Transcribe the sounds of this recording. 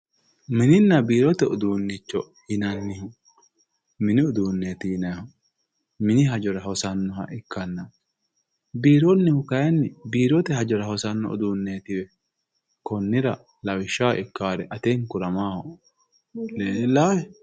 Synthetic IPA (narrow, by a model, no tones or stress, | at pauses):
mɪnɪnːɐbiːɾɔt̪ɛʊd̪uːnːɪt͡ʃːɔ | hɪnɐnːɪhʊ | mɪnɪʊd̪uːnːeːt̪ɪhɪnɐhɐ | mɪnɪɦɐd͡ʒɔɾɐhɔsɐnːɔhɐ̰ʔɪkːɐnːɐ | biːɾɔnːɪhʊkɐjɐnːɪbiːɾɔt̪ɛhɐd͡ʒɔɾɐhɔsɐnːɔ̰ɔ̰d̪uːnːe̞ːt̪ɪwɛ | kɔnːɪɾɐ | lɐwɪʃːaːʔɪkːaːɾɛʔɐt̪eːŋkʊɾɐmaːhɔ | leːlːaːhɛ